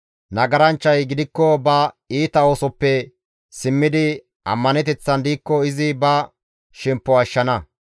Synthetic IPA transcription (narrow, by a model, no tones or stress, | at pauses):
nɐɡɐɾɐnt͡ʃːɐjɡɪd̪ɪkːɔbɐ | iːt̪ɐo̞ːsɔpːɛ | sɪmːɪd̪ɪ | ʔɐ̰mːɐnɛt̪̬ɛt͡sːɐnd̪iːkːɔɪzɪbɐ | ʃɛmpːɔɐʃːɐnɐ